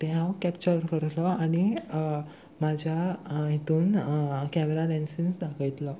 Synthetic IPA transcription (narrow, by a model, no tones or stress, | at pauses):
t̪ɛ̃ɦãwkɛpt͡ɕəɾkəɾt̪lɔaɽ̃i | mad͡ʑʱjaɦit̪uːnkɛmeɾalɛnsĩnsd̪akʰəjt̪lɔ